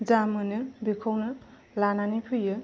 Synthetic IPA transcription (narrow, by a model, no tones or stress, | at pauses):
zamɯnɯbikʰawnɯ | lananipʰɯjɯ